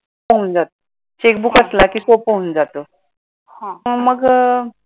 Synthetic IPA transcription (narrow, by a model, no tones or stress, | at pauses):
pəɦund͡zat̪o | t͡ɕek̚bukəslakiːsopəɦund͡zat̪o | ãməɡ